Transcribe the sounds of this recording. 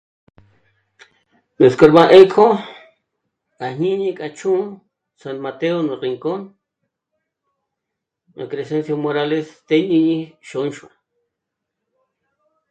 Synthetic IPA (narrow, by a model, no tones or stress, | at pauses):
neskoɾbaʔekʰo | kahɲiɲikʼat͡ʃuː | sanmat̪eonoɾiŋkon | akɾesensjosmoɾalest̪eɲiɲiʃonʃwa